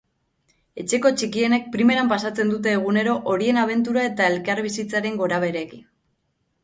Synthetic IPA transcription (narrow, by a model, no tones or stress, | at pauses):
e̞t͡ʃe̞ko̞t͡ʃikie̞ne̞k̚pɾime̞ɾampasat͡se̞nd̪ut̪̬e̞ːɣ̞une̞ɾo̞ʔoɾie̞naβ̞e̞nt̪uɾae̞t̪ae̞lkaɾβisit͡saɾe̞ŋɡo̞ɾaβ̞e̞ɾe̞kin